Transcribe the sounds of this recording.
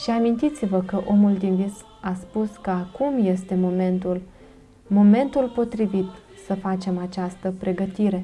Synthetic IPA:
ʃiamint̪it̪sivəkəʔo̞muld̪invis | aspuskəakumje̞st̪e̞moment̪ul | mo̞me̞nt̪ulpo̞t̪ɾivit̪ | səfat͡ʃe̞mat͡ʃast̪əpɾe̞ɡət̪iɾe̞

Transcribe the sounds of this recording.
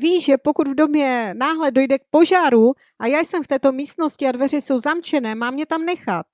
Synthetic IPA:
viːʒ̥ɛpo̞kud̪vdo̞mjɛnaːɦlɛdo̞jdɛk̚po̞ʒaːɾu | ʔajaːjsɛmft̪ɛːt̪o̞miːst̪no̞scɪadvɛr̝ɪso̞wzamt͡ʃɛnɛːmaːmɲɛt̪amnɛxat̪̚

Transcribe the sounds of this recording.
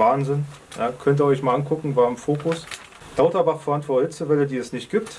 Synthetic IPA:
aːnzɪn | ja̰ːkʰœnt̬iːɐɔʏçmaːlʔankʰʊkŋ̩vaːɐɪmfoːkʊs | d̥aʊtɐbaχfɛɐʔantvɔɐthɪt͡səvɛlədiːɛsnɪçt̚ɡ̥iːp̚t

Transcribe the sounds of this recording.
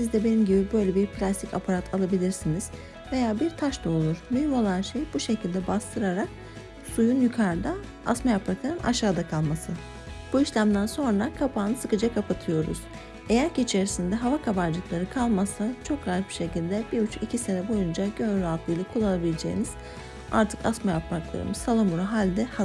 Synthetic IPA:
sizd̪ɛbenimɟibibø̞jlʲɛbiɾpʰlʲast̪ʰicʰapʰaɾat̪ʰalˠabilʲiɾsiniz̥ | ve̞jaːbiɾt̪ʰaʃt̪aolˠuɾ̥myhymo̞lˠanʃejbuʃe̞cʰilʲd̪ɛbast̪ʰɯɾaɾak̚ | sujunjykʰaɾd̪a | asmajapaklˠaɾɯmʔa̰ʃaːd̪akʰalˠmasɯ | b̥uiʃlʲæmd̪ænso̞nɾakʰapʰaːnɯsɯkɯd͡ʒakʰapʰat̪ʰɯjo̞ɾṵz̥ | e̞jæɾciːt͡ʃʰe̞ɾisind̪ɛɦavakʰabaɾd͡ʒɯklˠaɾɯkʰalˠmasat͡ʃʰo̞kɾatbi̥ʃe̞cilʲd̪ɛbiɾut͡ʃʰicʰise̞nɛbo̞jund͡ʒaɟønɾalˠt̪ˠɯjlʲˠakʰulˠːanabilʲed͡ʒe̞jḭniz̥ | a̰ɾt̪ʰɯ̥kasmajapmaklˠa̰ɾɯ̰mɯzsalˠamuɾaɦalʲd̪ɛha

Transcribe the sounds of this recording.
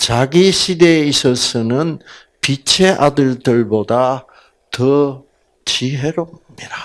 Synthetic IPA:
t͡ɕaɡiɕʰideisʰʌsɯnɯn | pit͡ɕʰeʔadɯɭdɯɭboda | tʌ | t͡ɕiɦe̞ɾomɲida

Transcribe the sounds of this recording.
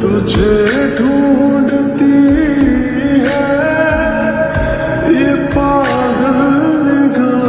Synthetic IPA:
t̪ud͡ʒʱeɖʱũɳɖt̪i | ɦɛ | jepa | d̪əllɪɡə

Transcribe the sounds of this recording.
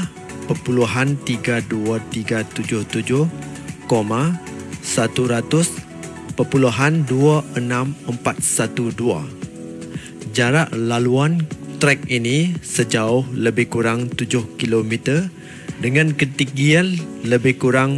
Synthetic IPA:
pərpuluɦant̪iɡaduat̪iɡat̪ud͡ʒʊht̪ud͡ʒʊh | komasat̪uɾat̪ʊs | pəpuluɦanduaʔənãməmpat̪̚sat̪udua̰ | d͡ʒaɾaʔlaluant̪ɾɛk̚inisəd͡ʒaʊhləbɪhkuɾaŋt̪ud͡ʒʊhkilomit̪ər | dəŋãnkət̪ikianləbɪhkuɾaŋ

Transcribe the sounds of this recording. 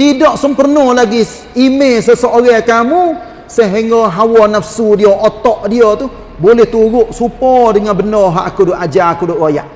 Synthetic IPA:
t̪idɔʔsəmpərnɔlaɡi | imesəsoʔoɾɛkamu | səɦiŋɔɦawɔnafsudioʔot̪ɔʔdiot̪u | bolɛht̪uɾʊʔsupɔdəŋanbənɔɦaʔakudoʔad͡ʒakudʊʔwoja̰ʔ

